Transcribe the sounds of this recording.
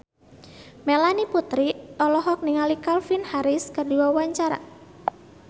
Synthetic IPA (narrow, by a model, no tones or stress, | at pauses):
melaniput̪ɾit̪ɔlɔɦɔk̚niŋalikalfinhaɾɪskərdiwawaɲt͡ʃaɾa̰